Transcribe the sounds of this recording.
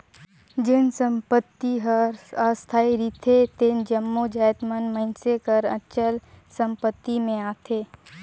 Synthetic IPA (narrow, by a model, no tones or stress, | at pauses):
d͡ʒɪnsə̃mpət̪ːiɦəɾast̪ʰaːiɾiːt̪ʰet̪end͡ʒəmːod͡ʒaːjt̪mənmə̃nsekəɾə̰ʃəl | sə̃mpət̪ːimẽaːt̪ʰeː